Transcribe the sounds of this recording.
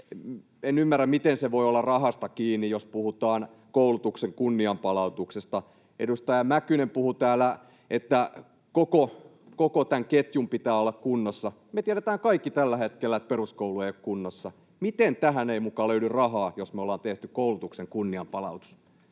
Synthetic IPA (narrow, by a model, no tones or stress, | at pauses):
enymːærːæmmit̪enseʋoiolːɑrɑhɑst̪ɑkiːnːijospuhut̪ɑːn | koulut̪ukseŋkunːiɑmpɑlɑut̪uksest̪ɑ | ʔḛdust̪ɑjɑmækynempuhut̪æːlæ | ʔet̪ːæ | koko | kokot̪æŋket̪jumpit̪æːolːɑkkunːosːɑ | met̪iæɾæt̪æːŋkɑikːit̪ælːæhet̪̚kelːæet̪̚peruskoulueijokkunːosːɑ | mit̪ent̪æɦæneimukɑːløydyrrɑhɑːjosmeolːˑɑːnt̪eht̪ykoulut̪ukseŋkunːiɑmpɑlɑ̰ut̪u̥s